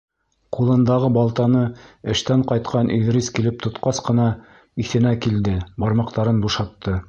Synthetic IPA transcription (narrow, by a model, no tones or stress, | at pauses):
qulˠɤ̆nd̪ɑʁɤbɑlˠt̪ɑnɤɘ̆ʃt̪æɴqɑjt̪qɑnʔiðɾiskilɘp̚t̪ŏt̪qɑsqɤ̆nɑ | iθɘ̆nækild̪ɘbɑɾmɑq̚t̪ɑɾɤnbuʃɑt̪ːɤ